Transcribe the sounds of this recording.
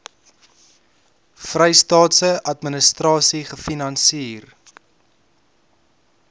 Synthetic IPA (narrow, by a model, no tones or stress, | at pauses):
frɛjstɑːtsəʔɐtmənəstrɑːsiχəfinɐnsiːr